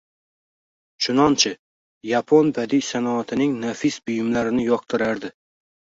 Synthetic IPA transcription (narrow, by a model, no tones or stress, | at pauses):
t͡ʃʰʊnɒnt͡ʃʰɪ | japʰonbad̪ijsanɒat̪ʰɪnɪŋnafisbʊjɪmlaɾɪnɪjɒq̚t̪ʰɪɾaɾd̪ɪ